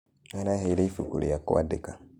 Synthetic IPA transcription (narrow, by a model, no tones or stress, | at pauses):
anaɦeiɾeifukṵɾḛako̰adeka